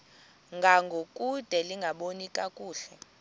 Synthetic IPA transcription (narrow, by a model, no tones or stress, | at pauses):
ŋɡʱaŋɡʱokʼud̥ʱɛliŋɡʱaɓonikʼakʼuːɬɛ